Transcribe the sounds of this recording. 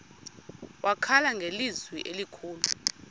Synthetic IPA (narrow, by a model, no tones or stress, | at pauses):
wʔakʰalaŋɡʱelizwiʔelikʰuːlu